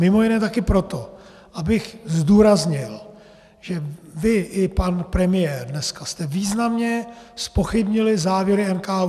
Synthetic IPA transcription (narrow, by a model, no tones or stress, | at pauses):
mɪmo̞jɪnɛːt̪akɪpɾo̞t̪o̞ | ʔabɪxzduːɾazɲɪl | ʒ̥ɛvɪʔɪpanpɾɛmɪjɛːɾdnɛskast̪ɛviːznamɲɛspo̞xɪbɲɪlɪzaːvjɛɾɪɛnkaː